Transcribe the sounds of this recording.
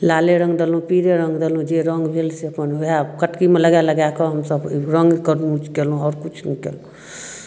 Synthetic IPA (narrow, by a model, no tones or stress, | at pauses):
laleɾə̃ŋɡd̪elũpiɾeɾə̃ŋɡd̪elũd͡ʒeɾəŋɡbʱelsepəniɦoɦakəʈkimeləɡaləɡakɔɦəmsəbɾəŋɡkəɾnũt͡ʃkelũɔɾkut͡ʃʰnikḛlũ